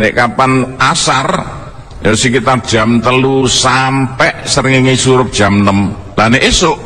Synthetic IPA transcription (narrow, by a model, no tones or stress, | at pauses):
neʔkapanasar | josikit̪ard̥ʒ̥a̤mt̪əlusampɛʔsəɾŋiŋisuɾʊp̚d̥ʒ̥a̤mnəm | laneʔesʊʔ